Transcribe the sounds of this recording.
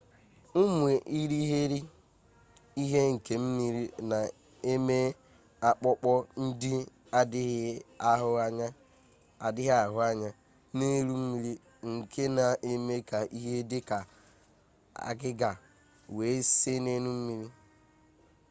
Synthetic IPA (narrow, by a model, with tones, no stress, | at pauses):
u˦mʷ˨e˨ʔi˦ɾi˦ɦe˦ɾi˦ | i˦ɦe˦ŋ̩˨ke˦m̩˦mi˦ɾi˦na˨ | e˦me˦ | a˦k͡pɔ˦k͡pɔ˦n̩˦dɪ˦ | a˨dɪ˦ɦɪ˦a˦ɦʊ˦a˦ɲa˦ | a˨dɪ˦ɦa˨ɦʊ˦a˦ɲa˦ | ne˦ɾu˦m̩˦mi˦ɾi˦ | ŋ̩˨kʰe˦na˨ʔe˨me˦ka˨ʔi˦ɦe˦dɪ˦ka˨ | a̰˨ɡɪ˦ɡa˨ | we˨˦se˦ne˦nu˦m̩˦mi˦ɾi˦